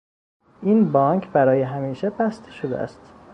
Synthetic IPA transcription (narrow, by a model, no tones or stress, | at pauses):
ʔiːnbɒŋkʰbæɾɒːjeɦæmiːʃebæst̪ʰe̥ʃod̪ḛæ̰st̪